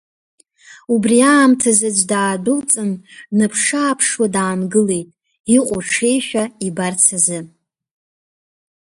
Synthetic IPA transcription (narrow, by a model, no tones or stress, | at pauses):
ubriaːmtʰazad͡ʒʷdaːdɨlt͡sʼɨnnɨpʰʂaːpʰʂwadaːnɡɨle̞jtʼ | iqʷʼʊʈ͡ʂʰe̞jʃᶣaibart͡sʰazɨ